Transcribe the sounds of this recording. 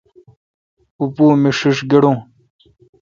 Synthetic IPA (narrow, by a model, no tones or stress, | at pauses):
upuːmiʂiʂɡeɽõː